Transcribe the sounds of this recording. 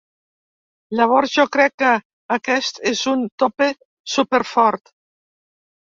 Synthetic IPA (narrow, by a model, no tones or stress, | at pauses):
laβoɾʒɔkɾɛkːa | akɛst̪ezunt̪ope | supeɾfɔɾt̪